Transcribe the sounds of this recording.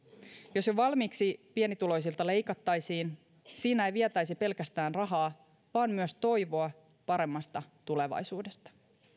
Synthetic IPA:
jo̞sjoʋɑlmiːksipienit̪ulo̞js̬ilt̪ɑle̞jkɑt̪ːɑjsiːn | siːnææejʋiet̪æjsipe̞lkæst̪æːnrɑɦɑː | ʋɑːnmyøst̪o̞jʋo̞ɑ | pɑɾe̞mːɑst̪ɑt̪ule̞ʋɑ̰jsuːde̞st̪ɑ̥

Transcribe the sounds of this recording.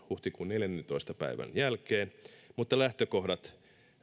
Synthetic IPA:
huht̪ikunneljænːent̪oist̪ɑpæ̰iʋæ̰njælkeːnmut̪ːɑlæht̪økohdɑt̪

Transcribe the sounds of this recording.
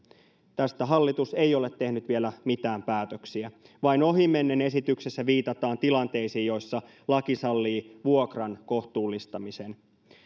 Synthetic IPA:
t̪æst̪æɦɑlːit̪use̞ijo̞le̞t̪ːe̞hnyt̪ʋielæmit̪æːmpæːt̪øksiæ | ʋɑino̞ɦime̞nːene̞sit̪yksesːæʋiːt̪ɑt̪ɑːnt̪ilɑnt̪e̞jsiːjo̞jsːɑ | lɑkisɑlːiːʋuo̞krɑnko̞ht̪uːlːist̪ɑmisen

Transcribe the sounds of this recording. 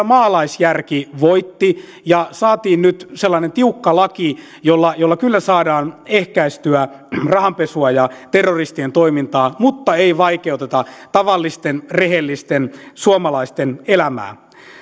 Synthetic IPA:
mɑːlɑisjærkiʋoit̪ːi | jɑsɑːt̪iːnnyt̪selːɑinent̪iukːɑlɑki | jolːɑjolːɑkylːæsɑːdɑːnehkæist̪yærɑhɑmpesuɑjɑt̪erːorist̪ient̪oimint̪ɑːmut̪ːɑeiʋɑikeut̪et̪ɑt̪ɑʋɑlːist̪enreɦelːist̪ensuomɑlɑist̪enelæmæ̰ː

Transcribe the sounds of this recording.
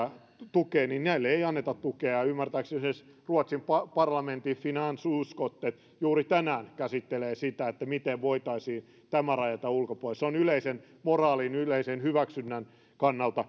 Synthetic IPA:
t̪ukeːninnæilːeeiɑnːet̪ɑt̪t̪ukeɑymːært̪æːksses | ruot̪simpɑpɑrlɑment̪ifinɑnsuuskot̪ːet̪ | juːrit̪ænæːnkæsit̪ːeleːsit̪æet̪ːæmit̪eʋʋoit̪ɑisiːn | t̪æmærɑjɑt̪ɑulkopolseonyleisen | morɑːlinyleisenhyʋæksynːæn | kɑnːɑlt̪ɑ

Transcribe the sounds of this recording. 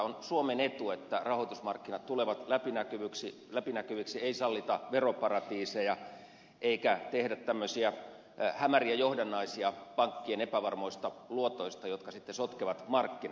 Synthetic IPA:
onsuomenet̪uet̪ːærɑhoit̪usmɑrkːinɑt̪t̪uleʋɑt̪læpinækyʋyksi | læpinækyʋyksieisɑlːit̪ɑʋeropɑrɑt̪iːsejɑ | ʔeikæt̪ehdæt̪t̪æmːøsiæ | hæmæriæjohdenːɑisiɑpɑŋkːienepæʋɑrmoist̪ɑluot̪oist̪ɑjot̪kɑsit̪ːesot̪keʋɑt̪mɑrkːin

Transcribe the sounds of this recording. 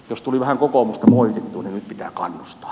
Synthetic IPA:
jost̪uliʋæhæŋkokomust̪ɑmoit̪et̪t̪uːninnyt̪pit̪æ̰ːkɑ̰nːust̪ɑ̥ː

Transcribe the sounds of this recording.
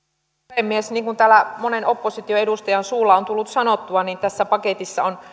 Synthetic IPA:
emːiesniːŋkunt̪æːlæmonenopːosit̪ioedust̪ɑjɑnsuːlːɑont̪ulːut̪sɑnot̪ːuɑniːnt̪æsːæpɑket̪isːɑon

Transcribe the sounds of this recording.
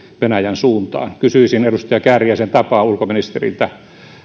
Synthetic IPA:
ʋenæjænsuːnt̪ɑ̰ːnkysyisinerust̪ɑjɑkæːrijæsent̪ɑpɑːulkominist̪erḭlt̪æ

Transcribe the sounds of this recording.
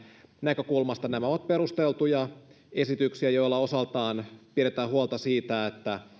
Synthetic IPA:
nækø̞kulmɑst̪ɑnæmæoʋɑt̪̚peɾust̪elt̪ujɑ | e̞sit̪yksiæjo̞ilːɑo̞sɑlt̪ɑːnpiɾet̪æːɦuolt̪ɑsiːt̪æet̪ːæ

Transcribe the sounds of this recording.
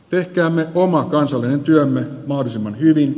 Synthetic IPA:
t̪ehkæːmːeʔomɑkɑnsɑlːinent̪yømːemɑhdosimːɑnhyʋin

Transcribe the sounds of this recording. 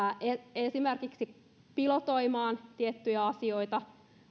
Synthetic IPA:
ʔeesimerkiksi | pilot̪oimɑːnt̪iet̪ːyjæɑsioit̪ɑ

